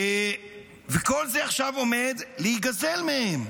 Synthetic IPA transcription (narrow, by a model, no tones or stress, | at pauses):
veko̞lzeaχʃavo̞med̪lehit̚ɡazelmehem